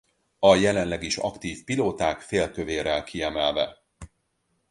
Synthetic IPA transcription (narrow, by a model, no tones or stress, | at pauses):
ɒjɛlɛnlɛɡiʃɒ̰kt̪iːfpiloːt̪aːkfeːlt̪øveːɾɛlkiɛmɛlvɛ